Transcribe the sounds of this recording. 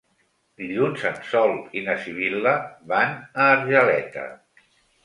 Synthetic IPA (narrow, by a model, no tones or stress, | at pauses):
d̪iʎunzənsɔlˠinəsiβ̞iləβanəːɾʒəlɛt̪ə̰